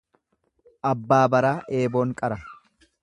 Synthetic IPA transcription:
ʔɐbːaːbɐɾaːʔeːbo̞ːŋkʼɐɾɐ

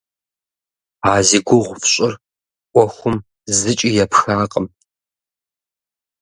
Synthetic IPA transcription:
aːziɡʷʊʁʷfɕʼɪr | ʔʷɔxʷʊm | zɨt͡ʃʼijɛpxaːqʼəm

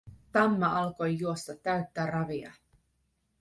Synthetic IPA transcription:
t̪ɑmːɑʔɑlko̞jːuo̞st̪ɑt̪ːæɥt̪ːærɑʋiɑ̰

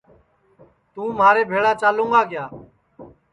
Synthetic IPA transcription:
t̪ũːmaːɾeːbʱeːɭaːt͡ʃaːlũːŋɡaːɡɪjaː

